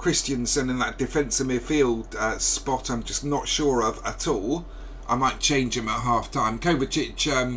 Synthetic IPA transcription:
kʰɹ̥ɪst͡ʃə̃nsə̃nə̃nðəʔd̥ɪfɛ̃nsəmɪfilˠd̥əspɒtãɪ̃md͡ʒʌsnətʃʊːɹəvətʰɔːlˠ | ʔa̰ɪmaɪtt͡ʃʰẽɪ̃nd͡ʒɪ̃məʔɦɑˑftʰãɪ̃mkʰəʊvət͡ʃɪt͡ʃʌ̃m

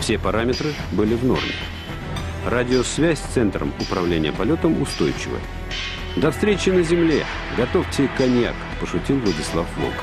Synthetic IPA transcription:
fsʲepɐɾamʲɪt̪ɾɨbɨlʲɪvno̞̰rmʲɪ̰ | radʲɪosvʲæsʲsʲt̪sɛnt̪ɾə̰mʊpɾɐvlʲenʲɪjəpɐlʲo̞t̪əmʊst̪ojt͡ɕɪ̰və̰ | d̪ɐfst̪ɾʲet͡ɕɪnəzʲɪmlʲḛ | ɡɐt̪oftʲɪkɐnʲja̰k | pəʂʊtʲilˠvlˠədʲɪslˠafblˠo̰k

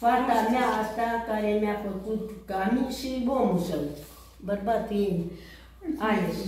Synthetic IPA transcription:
fat̪amjaat̪akajemjapəkut̪kamisibomusəŋ | bəɾbat̪in | aj

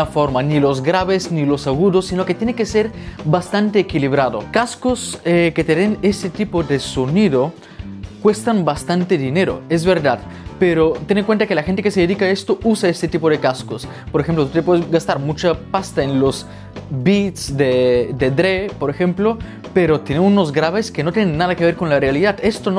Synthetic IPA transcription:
afoɾmanilo̞zɣɾaβeznilosaɣuðosːinoket̪jenekese̞ɾbast̪ant̪eːkiliβ̞ɾaðo̰kaskoseket̪eðenest̪et̪ipoðesoniðo | kwe̞st̪ambast̪ant̪eðine̞ɾo̰e̞zβe̞ɾðaðpeɾot̪eneŋkwent̪akelaxent̪ekeseðeðikaest̪ousaest̪et̪ipoðekaskos | poɾexemplot̪ut̪epweðezɡast̪aɾmut͡ʃapast̪aenlos | bit̪sd̪ed̪ed̪ɾepo̞ɾexemplo | peɾot̪jeneuno̞zɡɾaβeskenot̪jenenːaðakeβ̞eɾkonlarealiðaðest̪ono

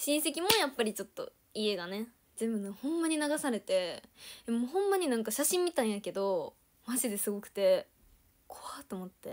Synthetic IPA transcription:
ɕĩɰ̃se̞kʲimo̞japːaɾʲit͡ɕo̞t̪ːo̞̰ | ie̞ɡane̞ | d͡ʑibɯ̟̃hõ̞mːaɲ̟inaɡasaɾe̞t̪e̞emoːhõ̞mːaɲ̟inãŋkaɕaɕĩmːʲit̪ãɰ̃jake̞d̪o̞ | maʑid̪e̞sɨɡo̞kɯ̟̥t̪e̞ | kʰo̥βat̪o̞mo̞t̪ːe̞

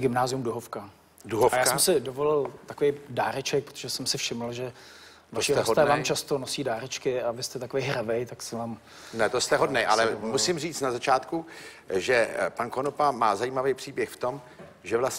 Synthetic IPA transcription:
ɡɪmnaːzɪjumduɦofka | duɦofajjasɛmsɪdovolɪlt̪akovejdaːɾɛt͡ʃɛk̚pɾot̪oʒɛsɛmsɪfʃɪml̩ʒɛ | vaʃiɛsɦod̪ɛːvaːmt͡ʃast̪onosiːdaːɾɛt͡ʃkɪavɪst̪ɛt̪akovejɦɾavɛjt̪aksɛvaːm | nɛt̪ost̪ɛɦodnɛjʔa̰lɛmusimriːt͡st̪nazat͡ʃaːt̪ku | ʒɛpankonopamaːzajiːmavɛjpr̝̥iːbjɛxft̪o̞m | ʒɛvlas

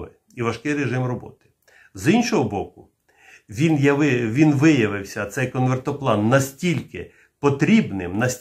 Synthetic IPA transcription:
ʋɪ̰ | iʋɐʃkɪjɾeʒɪmrɔbɔ̰t̪ɪ̥ | zinʃɔɦɔbɔkʊ | ʋʲinjɐʋɪʋʲinʋɪjɐʋɪwsʲɐt̪sɛjkɔnʋert̪ɔplˠɑnːɐsʲtʲilʲkɪ | pɔt̪ɾʲibnɪmnɐsʲ

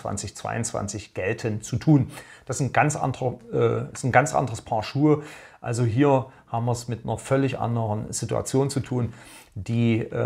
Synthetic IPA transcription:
v̥a̰nt͡sɪçt͡sv̥a̰ɪʊnt͡sv̥a̰nt͡sɪçɡ̥ɛltʰənt͡sutʰuːnd̥asn̩ɡ̥ant͡sʔa̰ndəʁəʔɛsn̩ɡant͡sʔa̰ndəʁəspʰaɐʃuː | ʔa̰lzoɦiːɐ | haːbm̩viːɐsmɪt̚nɐfœlɪçʔa̰ndəʁənz̥ɪtua̰t͡sjoːnt͡sutʰuːn | d̥iː

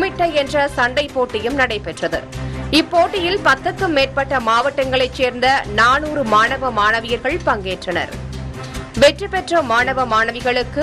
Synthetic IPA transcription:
mɪʈːɐɛndrɐsɐɳɖɐɪpːoːʈːɪjɯmnɐɽɐɪpɛʈrɐðɯ̰ɪpːoːʈːɪjɪlpɐt̪ːɐkːɯmːeːʈ̚pɐʈːɐmaːʋɐʈːɐŋɡɐɭɐɪt͡ʃːeːɾnd̪ɐnaːnuːɾɯmaːɳɐʋɐmaːnɐʋɪjɐɾɣɐɭpɐŋɡeːʈrɐnɐ̰ɾ | ʋɛʈrɯpɛʈrɐmaːɳɐʋɐmaːnɐʋɪɣɐɭɯkːɯ

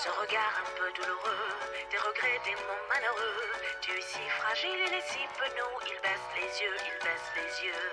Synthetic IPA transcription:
sɔ̃ʁəɡaʁɛ̃pød̪uluʁød̪̥eʁəɡʁɛd̪emɔ̃maløʁøt̪ɥɛsifχaʒilelesipənoilbɛslezjøilbɛslezjø

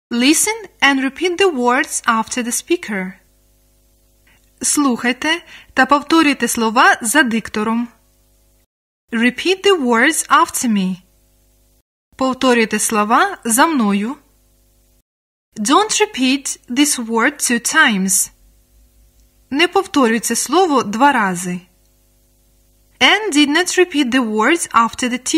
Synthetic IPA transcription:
lˠɪsə̃nɛ̃nɹɪpʰit̪̚dðəwɔɹdz̥aftʰə˞ðəspikʰəɹ | slˠuxɐjt̪ɛt̪ɐpɔwt̪ɔɾʲɪjt̪ɛslˠɔʋazɐd̪ɪkt̪ɔɾɔm | ɹɪpʰit̪̚ðəwɔɹdz̥aftʰə˞mi | pɔwt̪ɔɾʲɪjt̪ɛslˠɔʋazɐmnɔjʊ | dõntɹɪpʰit̪ðɪswɔɹd̚tʰʉtʰãɪ̃mz̥ | nɛpɔwt̪ɔɾʲʊjt͡sʲːɛslˠɔʋɔd̪ʋɑɾɑzɪ | ɛ̃ndɪd̪nɔtɹɪpit̪̚ðəwɔɹdz̥aftə˞ðətʰi

